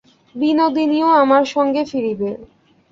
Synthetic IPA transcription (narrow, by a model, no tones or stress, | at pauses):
binod̪inioamaɾʃɔŋɡefiɾibe